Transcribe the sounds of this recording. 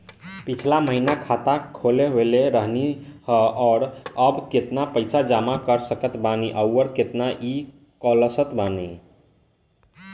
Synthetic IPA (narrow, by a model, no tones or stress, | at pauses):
pit͡ʃʰlaməɦinakʰat̪akʰoleɦeleɾəɦnihəɔːɾəbket̪napəjsad͡ʒamakəɾsəkət̪baniʔəwːəɾket̪naʔi | kələsət̪bani